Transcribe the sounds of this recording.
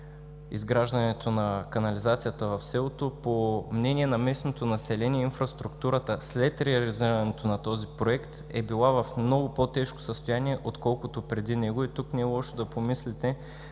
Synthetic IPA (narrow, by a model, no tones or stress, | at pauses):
ḭzɡɾaʒd̪ɐnɛt̪onɐkɐnɐlizat̪sijət̪əvɐfsɛlˠot̪opomnɛnʲiɛnɐmɛsnot̪onɐsɛlɛniɛinfɾɐst̪ɾukt̪uɾət̪əslɛt̪ɾɛɐliziɾɐnɛt̪onɐt̪ɔzipɾoɛkt̪ | ɛbilˠavɐfmnɔɡʊpot̪ɛʃko̥səst̪ojaniɛʔot̪kɔlˠkʊt̪opɾɛd̪inɛɡoit̪uknɛɛlˠɔʃt̪ɛd̪ɐpomislit̪ɛ